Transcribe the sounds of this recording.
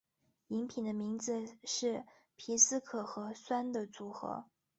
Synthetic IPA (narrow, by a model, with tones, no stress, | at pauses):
i˧˥ŋpʰi˨˩nd̪ə˦mi˧˥ŋd͡zɹ̩˧ʂɻ̩˥˩ | pʰi˧˥sɹ̩˥kʰɤ˨˩xɤ˧˥swa˥nd̪ə˨t͡su˧˥xɤ̰˧˥˦